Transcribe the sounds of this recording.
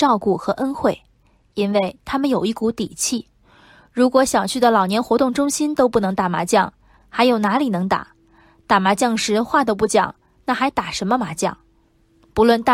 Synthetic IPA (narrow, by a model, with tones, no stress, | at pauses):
ɑ˥˧ʊku˥˩xɤ˧˥ʔə˥nxwe˥˩ɪ | i˥nwe˥˩ɪt̪ʰa˥mə˨njo˨˩ʊi˥˩ku˧˥t̪i˨˩t͡ɕʰi˥˩ | ɻu˧˥kwɔ˧˥ɕjɑ˨˩ʊt͡ɕʰy˥˩d̪ə˩lɑ˨˩ʊnjɛ˧˥nxwɔ˧˥t̪ʊ˥˩ŋʈ͡ʂʊ˥ŋɕi˥nt̪o˥ʊpu˥˩nɤ˧˥ŋt̪a˨˩ma̰˧˥t͡ɕjɑ˥˩ŋ | xa˧˥ɪjo˨˩ʊna˧˥li˨˩nɤ˧˥ŋt̪a̰˨˩˦ | t̪a˨˩ma˧˥t͡ɕjɑ˥˩ŋʂɻ̩˧˥xwa˥˩t̪o˧pu˥˩t͡ɕjɑ̰˨˩˦ŋ | na˥˩xa˧˥ɪt̪a˨˩ʂə˧˥nmə˧ma˧˥t͡ɕjɑ̰˥˩ŋ | pu˧˥lwə˥˩nt̪a˥˩